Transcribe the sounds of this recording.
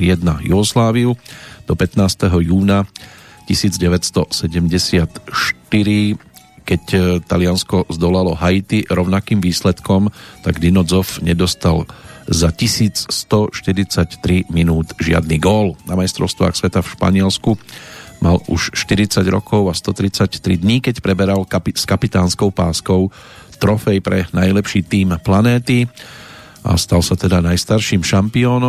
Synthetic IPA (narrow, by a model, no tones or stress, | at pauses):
jɛd̪najuɦɔslaːʋiud̪̥ɔpɛt̪naːst̪ɛɦɔjuːna | cisiːd͡zɟɛʋɛtst̪ɔsɛɟɛmɟɛsɪat̪ʃt̪iɾi | kɛct̪alɪanskɔzd̪ɔlalɔɦajit̪iɾɔʊnakiːmʋiːslɛt̪kɔmt̪aɡd̪inɔd͡zɔfɲɛd̪ɔst̪alzacisiːt͡sst̪ɔʃt̪iɾit͡sact̪ɾiminuːd̪ʒɪa̰d̪niɡɔlnamajst̪ɾɔ̰ʊst̪ʋa̰ːxsʋɛt̪afʃpa̰ɲɪɛlskumʔalṵʃʃt̪iɾit͡saɟɾɔ̰kʰɔʊast̪ɔt̪ɾit͡sact̪ɾid̪ɲiːkɛcpɾɛbɛɾalkapiskapit̪aːnskɔʊpaːskɔʊ | t̪ɾɔfɛjpɾɛnajlɛpʃiːt̪iːmplanɛːt̪i | ʔa̰st̪alsat̪ɛd̪anajst̪aɾʃiːmʃampiɔːnɔ